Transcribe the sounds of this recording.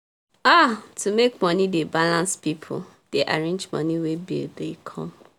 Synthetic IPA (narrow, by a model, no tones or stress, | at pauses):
atumekmɔnidebalãnspipʰʊ̰ | d̥eʔaɹẽnd͡ʒmɔ̰niwebḭldekʰɔ̰̃m